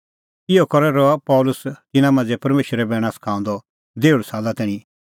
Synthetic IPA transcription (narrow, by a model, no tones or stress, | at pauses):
ɪɔkɔɾɛɾɔapɔʊlʊst̪ɪnãmɐ̃nd͡zɛpɐɾmeːʃəɾɛbɛːɽ̃ãsɐ̥kʰãːnd̪ɔ | d̪eːuɽsaːlat̪ɛ̃ːĩ